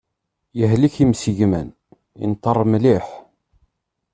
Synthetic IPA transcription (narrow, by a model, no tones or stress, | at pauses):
jəɦliçimsiʝmæn | ḭnt̪ːərˤːmliħ